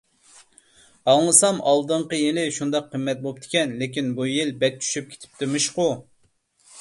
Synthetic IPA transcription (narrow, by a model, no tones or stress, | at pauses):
ɑŋlˠɨsɑmɑlˠd̪ɨɴqəjilɪʃund̪ɑqʰːəmːɛt̪̚bop̚t̪ʰɪ̥kʲɛnlɪkʲinbujilbɛk̚ʲt͡ʃ̪ʰy̥ʃyp̚kʲʰe̥t̪ʰɪ̥p̚t̪ʰyɾmɪʃqʊ